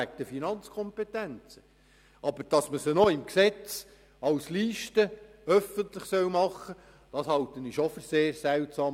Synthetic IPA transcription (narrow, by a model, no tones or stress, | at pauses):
æk̚təfinɑnt͡skʰɔmpɛtænt͡sə | ɑbəɾd̥ɑsməsənɔɪmksɛt͡s | ɑwsliːʃtəœfənt̪ləχsœwmɑχːə | d̥ɑshɑlt̪əniʃofyɾseːɾsæwtsɑːm